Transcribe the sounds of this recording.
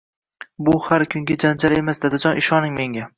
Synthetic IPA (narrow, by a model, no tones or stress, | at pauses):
bʊhaɾkʲʰʊŋɡʲad͡ʒand͡ʒaɾe̞masd̪ad̪ad͡ʒɒnɪʃɒnɪŋmeŋɡʲa